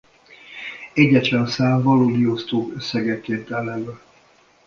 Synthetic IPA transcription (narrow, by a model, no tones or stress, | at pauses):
ɛɟɛt̪lɛnsaːɱvɒloːd̪iost̪oːkøsːɛɡɛkːeːt̪ɛnɛmɛ